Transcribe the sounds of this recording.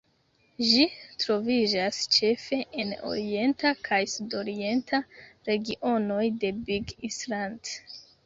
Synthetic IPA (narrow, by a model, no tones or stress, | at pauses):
ʒitɾo̞vid͡ʒast͡ʃe̞fe̞ʔeno̞̰ɾie̞ntakʰajsudo̞ɾie̞ntʰaɾe̞ɡiʔo̞no̞jde̞biɡisland